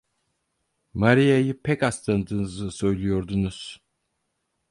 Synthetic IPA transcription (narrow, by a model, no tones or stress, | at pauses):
maɾijajɯpʰɛcaslˠand̪ɯːnɯzɯsø̞jlʲˠijo̞ɾd̪unuz̥